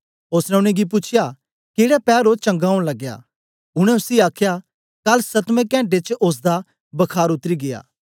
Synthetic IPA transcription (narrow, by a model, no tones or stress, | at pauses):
oːsnɛ̃ʊɽ̃ɛ̃ɡip̬ʊt͡ʃʰɪja | keːɽapɛːɾoːt͡ʃɐ̃ŋɡaːʊ̃ɽ̃lɐɡːja̰ː | ʊɽ̃ɛ̃ʊsiaːkʰja | kɐlsɐt̪mẽkɛ̃ːɳʈ̬et͡ʃʔos̬d̪a | bɐkʰaːɾʊt̪ɾiɡeja̰ː